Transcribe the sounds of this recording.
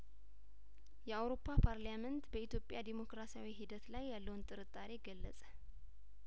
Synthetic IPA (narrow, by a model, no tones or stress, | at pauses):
jɛawɾo̞pʰːapʰaɾlamənt̪bəit̪jo̞pʼːjad̪emo̞kɾasiawiɦid̪ət̪lajːalːəwunt̪ʼɨɾɨt̪ʼːaɾeɡəlːəsʼə̥